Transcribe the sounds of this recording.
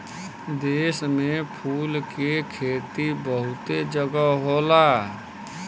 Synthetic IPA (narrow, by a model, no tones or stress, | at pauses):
d̪eːsmepʰuːlkekʰeːt̪ibəɦʊt̪ed͡ʒəɡəɦola